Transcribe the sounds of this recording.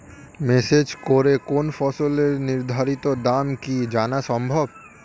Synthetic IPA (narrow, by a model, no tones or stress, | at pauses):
mesed͡ʒkoɾekonfɔsoleɾniɾd̪ʱaɾit̪od̪amkid͡ʒanaʃɔmbʱob